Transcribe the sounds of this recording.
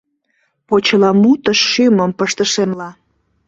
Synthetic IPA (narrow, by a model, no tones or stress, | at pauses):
pot͡ɕəlɑmut̪əʃːyməmpəʃt̪əʃemlɑ